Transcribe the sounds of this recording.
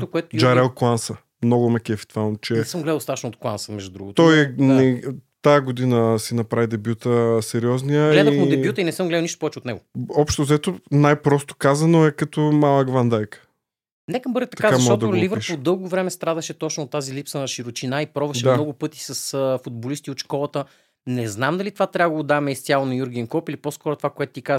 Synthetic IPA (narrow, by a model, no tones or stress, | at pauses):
koɛt̪oid͡ʒaɾɛlˠklˠansə | mnɔɡʊmɛkʲɛfi̥t̪falˠnt͡ʃɛnɛsəmɡlɛd̪ɐlˠsat̪ːʃnot̪klˠansəmɛʒd̪ud̪ɾṵɡot̪ɔjɛnɛt̪aɡod̪inəsinɐpɾavid̪ɛbjut̪əsɛɾiɔznijəɡlɛdiəmʊd̪ɛbjut̪əinɛsəmɡlɛd̪lˠniʃt̪o̥pɔvɛt͡ʃot̪nɛɡʊɔpʃt̪ozɐɛt̪onajpɾɔst̪o̥kazɐnoɛkɐt̪omalˠəɡvand̪ajkə̥ | nɛkəmbɤɾd̪ɛt̪ɐk̪kazaɐʃɔt̪ɔtd̪olivəɾod̪ɤlˠɡovɾɛmɛst̪ɾad̪ɐʃɛt̪ɔt͡ʃnot̪ːazilipsənɐʃiɾot͡ʃinaipɾɔvɐʃʃɛd̪maɔɡʊpɤt̪i̥sɐsfʊd̪̚bolist̪iot̪ʃkɔlˠɐt̪ə | nɛznamd̪ɐlit̪ovat̪ɾʲabəɡood̪amɛist̪sʲalˠonɐjuɾɡʲɛnkɔpilipɔskɔɾʊt̪o̥vakoɛt̪ʊ̥t̪ikaz